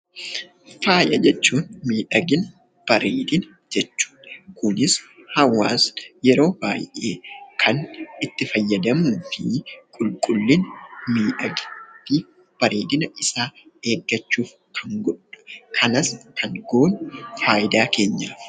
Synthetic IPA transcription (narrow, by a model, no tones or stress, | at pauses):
faːjʔɐd͡ʒɛt͡ʃːuːnmiːᶑɐɡɪnɐ | b̥ɐɾeːd̪ɪn | d͡ʒɛt͡ʃːu̥ːᶑkʊnɪshɐwːa̰ːsjɛɾo̞ːb̥a̰ːjʔe̞̰ːkʰɐnɪt̪ːɪfɐjːɐd̪ɐmuːfɪkʼʊlkʼʊlːɪnmiːᶑɐɡɪ̥t̪ːi | b̥ɐɾe̞ːd̪ɪnɐʔɪsaːe̞ːɡːɐt͡ʃːuːf | kʰɐŋɡɔᶑʊ̥kʰɐnɐskʰɐŋɡoːnfaːʔɪd̪aːkʰe̞ːɲːaː